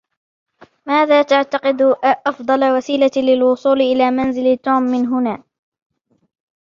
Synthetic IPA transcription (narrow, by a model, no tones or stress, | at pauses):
maːðaːt̪aʕt̪aqɪd̪ʔɑfd̪ˤɑlawasiːlalɪlwʊsˤuːlɪʔɪlaːmanzɪlt̪uːmːɪnɦʊnaː